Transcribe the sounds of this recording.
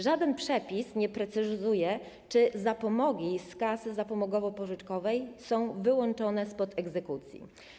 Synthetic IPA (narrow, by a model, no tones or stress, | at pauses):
ʐad̪ɛnpʂɛpʲisɲɛpɾɛt̪sɘzujɛ | t͡ʂɘzapɔmɔɡʲiskasɘzapɔmɔɡɔvɔpɔʐɘt͡ʂkɔvɛjsɔ̃w̃vɘwɔnt͡ʂɔnɛspɔt̪ɛɡzɛkut̪sʲjḭ